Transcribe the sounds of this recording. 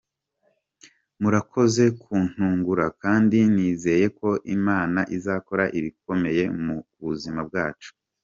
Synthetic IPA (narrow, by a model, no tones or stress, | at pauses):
muɾakʰo̞ze̞kʰuːn̥huːŋɡuɾakaːndiniːze̞je̞ko̞ʔimaːnaʔizaːko̞ɾaʔiβik̚o̞me̞je̞muβuzimab̚ɡaːt͡ʃu̥